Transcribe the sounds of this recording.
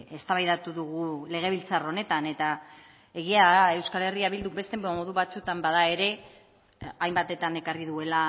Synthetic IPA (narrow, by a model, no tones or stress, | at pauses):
e̞st̪aβajðat̪uðuɣ̞ule̞ɣ̞e̞β̞ilt͡saro̞ne̞t̪ane̞t̪a | e̞ɣ̞iaðae̞wskale̞riaβild̪ube̞st̪e̞mo̞ðuβat͡sut̪ambaðae̞ɾe̞ | ajmbat̪e̞t̪ane̞kariðue̞la